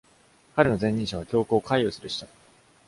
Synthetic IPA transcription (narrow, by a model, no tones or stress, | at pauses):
kaɾɯno̞zẽ̞ɲ̟ːĩɰ̃ɕaβ̞akʲo̞ːkoːkʰaiosɨɾɯ̟ɕi̥t̪a